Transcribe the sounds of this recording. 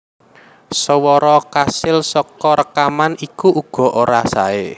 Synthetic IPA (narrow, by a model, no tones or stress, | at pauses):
səwɔɾɔkasɪlsɔkɔɾəkamanikuʔuɡ̥ɔ̤ʔoɾasae